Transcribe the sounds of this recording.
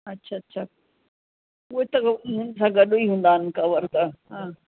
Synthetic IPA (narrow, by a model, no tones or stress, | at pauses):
ɐtːɕʰaɐtːʃʰa | ʊɦet̪ɐɡɦʊ̃nsãɡɐɗoiɦũːnd̪aːnkaʋəɾk̪aɦãː